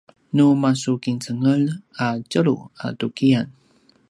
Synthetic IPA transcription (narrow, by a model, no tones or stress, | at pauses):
numasukint͡səŋəlacəɾṵa̰tukian